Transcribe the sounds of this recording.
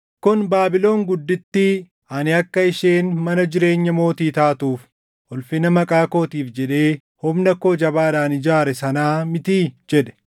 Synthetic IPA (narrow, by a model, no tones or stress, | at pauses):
kʊnbaːbɪlo̞ːŋɡʊd̪ːɪt̪ːɪ | ɐnɪɐkːɐɪʃeːnmɐnɐd͡ʒɪɾe̞ːɲːɐmo̞ːt̪iːt̪aːt̪uːf | hʊlfɪnɐmɐkʼaːko̞ːt̪iːfd͡ʒɛᶑe̞ː | hɔmnɐkːo̞ːd͡ʒɐbaːd̪aːnɪd͡ʒaːɾɛsɐnaːmɪt̪iːd͡ʒɛᶑɛ̥